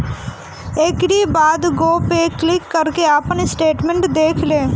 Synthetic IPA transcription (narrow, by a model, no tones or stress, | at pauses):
ekɾibaːd̪ɡoːpeːklɪkːəɾkeaːpənɪsʈeːʈmẽɳʈd̪eːkʰlẽː